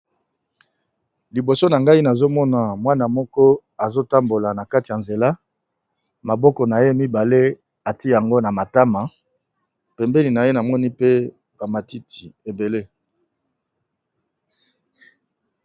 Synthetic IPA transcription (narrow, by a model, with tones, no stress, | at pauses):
li˨bo˨so˦na˨ŋɡa˦i˦na˨zo˦mɔ˦na˨mwa˦na˨mɔ˦kɔ˦ | a˨zo˦ta˦mbo˨la˨na˨ka˦ti˨ja˨nze˨la˦ | ma˨bɔ˦kɔ˨na˨je˦mi˦ba˨le˦ | a˨ti˦˨ja˨ŋɡo˦na˨ma˨ta˦ma˨ | pɛ˨mbɛ˦li˨na˨je˦na˨mɔ˦ni˦pe˦ | ba˨ma˨ti˦tʰi˨e˨be˨le˦